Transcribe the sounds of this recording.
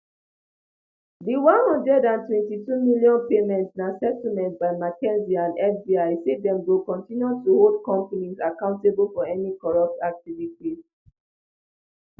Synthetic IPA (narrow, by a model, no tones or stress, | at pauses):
diwãnhɔ̃ndɹɛdãntwɛ̃ntitumiljɔ̃npemɛ̃ntsnasɛtimɛ̃ntbaɪmakɛ̃nziãndɛfdiaɪsedɛ̃mwilkɔ̃ntĩnjutuhold̚kɔ̃mpənĩzakãʊ̃ntebəlfɔɛnikɔɹɔp̚tak̚tivitiz